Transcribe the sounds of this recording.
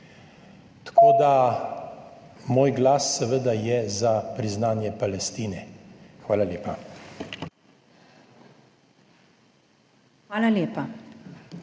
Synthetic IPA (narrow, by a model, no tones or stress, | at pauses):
t̪ḁkoːd̪a | moːjɡlaːsːɛʋəd̪ajɛzapɾiznaːnjɛpalɛst̪iːnɛxʋaːlaleːpa | xʋaːlaleːpa